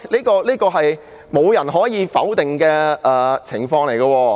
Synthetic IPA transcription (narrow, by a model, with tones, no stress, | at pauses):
liː˥kɔː˧liː˥kɔː˧ɦɐ˨j | mo˨˧wjɐ˨˩nɦɔː˨˥jiː˨˧fɐ˨˥wt̪ɪ˨ŋkɛː˧ʔɛː˨t͡sʰɪ˨˩ŋfɔː˧ŋle˨˩jkɐː˧wɔː˧